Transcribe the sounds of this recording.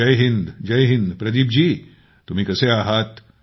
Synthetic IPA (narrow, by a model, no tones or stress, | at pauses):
ɐjɦɪ̃nd̪d͡ʒɐjɦɪ̃nd̪pɾɐd̪iːbd͡ʒiː | t̪ʊmĩkɐseaːɦaːt̪